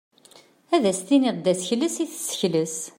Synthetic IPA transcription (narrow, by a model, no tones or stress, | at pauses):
æðæst̪inɪʁd̪æsəçləsiθsə̥çləs